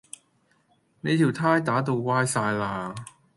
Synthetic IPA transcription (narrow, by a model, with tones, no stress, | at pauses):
ne˨˧jt̪ʰiː˨˩wt̪ʰaː˥jt̪aː˨˥t̪̬o˧wkaː˧˥jsaː˧jlaː˧˩